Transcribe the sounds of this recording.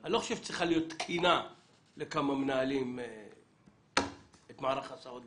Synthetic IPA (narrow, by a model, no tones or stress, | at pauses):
anlo̞χoʃevt͡sʁiχalijo̞t̪ːkʰina | lekamamnaːlim | et̪maːɾaχasaot̪